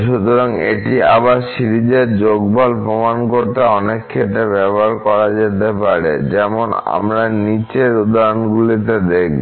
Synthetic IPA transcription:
ʃut̪oɾaŋḛʈia̰baɾʃiɾid͡ʑeɾd͡ʑoɡbʱɔlpɾomankoɾt̪eɔnekːeʈebɛboɦaɾkɔɾad͡ʑet̪epaɾḛd͡ʑɛmona̰mɾanit͡ɕeɾud̪aɾonɡulit̪ed̪ek̚b

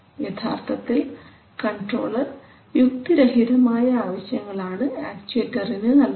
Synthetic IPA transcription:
ʋjɐt̪ʰa̰ːrt̪ʰɐt̪ːil | kɐɳɖro̞̰ːɭɐr | ʋjuk̚t̪iɾɐɦid̪ɐmaːjɐaːʋɐɕjɐŋːɐɭaːɳɨaːk̚t͡ɕuetːɐrinɨnɐl

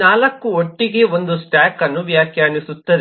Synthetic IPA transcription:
naːlɐkːuoʈːiɡe̞o̞nd̪usʈaːkɐnːuʋjaːkʰjaːɳisut̪ːɐɾ

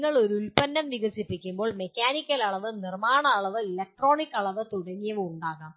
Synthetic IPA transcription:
ŋːɐɭo̞ɾulpɐnːɐmʋiɣɐsipːikʲːumbo̞ːɭmekʲːaːnikʲːɐlɐɭɐʋɨnirmaːɳɐːɭɐʋɨilek̚ʈro̞ːɳikːɐɭɐʋɨt̪uɽɐŋːijɐʋɨmuɳɖaːɣaːm

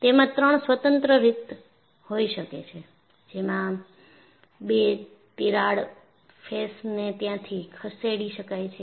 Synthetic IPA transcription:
t̪emãt̪ɾəɳ̃sʋət̪ənt̪ɾəɾit̪ | hoiʃəkḛt͡ʃʰe | d͡ʒemã | be | t̪iɾaɽ | fʰesnet̪jãt̪ʰikʰəseɽiʃəkajt͡ʃʰe

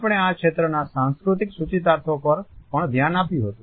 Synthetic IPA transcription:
pɳ̃eakʃet̪ɾənasãnskɾut̪iksut͡ʃit̪̬aɾt̪ʰopəɾpəɳd̪ʱjanapjũɦət̪ũ

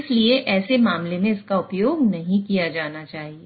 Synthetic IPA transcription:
ɪslieʔɛːsemãːmlemẽɪskaʊpjoːɡnɐɦĩkijad͡ʒaːnat͡ʃaːɦie

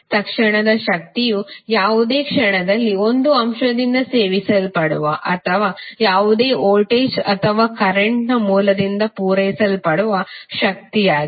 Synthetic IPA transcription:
t̪ɐkʂɐɳɐd̪ɐʃɐk̚t̪ijujaːʋud̪e̞ːkʂɐɳɐd̪ɐlːio̞nd̪uɐmʃɐd̪ind̪ɐse̞ːʋisɐlpɐɽuʋɐʔɐt̪ʰɐʋaːjaːʋud̪e̞ːʔoːʈeːsɐt̪ʰɐʋaːkɐɾeɳʈnɐmuːlɐd̪ind̪ɐpuːɾɐjsɐlpɐɽuʋɐʃɐk̚t̪ijaːɡi

